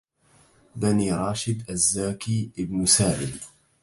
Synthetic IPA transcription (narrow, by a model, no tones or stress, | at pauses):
baniːɾˤɑːʃɪd̪ʔazːaːkiːʔɪbnsaːʔɪl